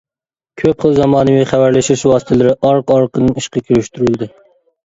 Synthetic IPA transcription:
kʲʰøpχəlˠzɑmɑːnɨwɪχæwæɾlɛʃɪɾɪʃwɑːsɨ̥t̪ʰɨlˠɪɾɪʔɑɾqɑɾqənɨniʃqɑkʲʰyɾyʃt̪yɾylˠd̪ɨ

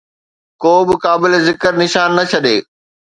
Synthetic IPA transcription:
koːbɪkaːbɪlezɪkəɾnɪʃaːnːɐt͡ɕʰɐɗeː

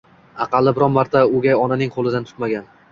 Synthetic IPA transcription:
ɑqʰɑlˠːɪbɪɾɒnmaɾt̪ʰaʊɡʲaɒnanɪŋqʰolˠɪd̪ant̪ʰʊ̥t̪maɡʲan

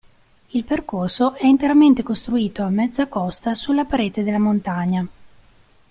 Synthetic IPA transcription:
ilperkorsoʔɛint̪eɾament̪ekost̪ɾuiːt̪oamːɛd̪zːakɔst̪asulːapaɾeːt̪ed̪elːamont̪aɲːa

